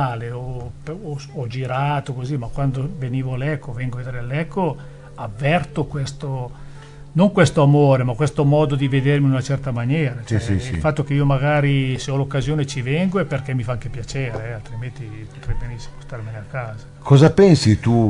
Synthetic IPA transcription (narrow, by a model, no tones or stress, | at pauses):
aːleopːɔd͡ʒiɾaːt̪okozimakwand̪oveniːvoalɛkːovɛŋɡoved̪eːɾealɛkːo | avːɛrt̪okwest̪o | noŋkwest̪oamoːɾemakwest̪omɔːd̪od̪ived̪erminunat͡ʃɛrt̪amanjɛːɾat͡ʃɛɛ̰il̰fat̪ːok̟eiːomaɡaːɾiseɔlokːazjoːnet͡ʃivɛŋɡoɛpːerk̟ɛmːifaaŋk̟epjat͡ʃeːɾeɛalt̪ɾiment̪ipot̪ɾɛjbenisːi̥most̪armeneakːaːzakʰɔzapɛnsit̪u